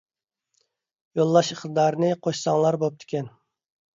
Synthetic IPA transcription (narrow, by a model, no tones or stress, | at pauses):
jolˠːɑʃəχt̪ɨd̪ɑɾnɨqʰoʃsɑŋlˠɑɾbop̚t̪ʰɪ̥kʲɛn